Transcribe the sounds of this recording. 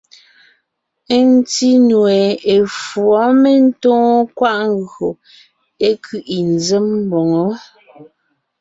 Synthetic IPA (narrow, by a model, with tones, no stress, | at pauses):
e˦n˦ti˦nwe˨e˨fwɔ˨˦me˦n̩˦tõː˦kwa˦ʔŋ˦ɡɰo˨ | e˦kʰʉ˨ʔi˨n˨ze˦mm˦bɔ˨ŋo˦